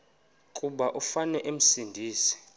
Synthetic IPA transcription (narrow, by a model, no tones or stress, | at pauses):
kʼuɓaʔufanɛʔem̩sindʱiːsi̥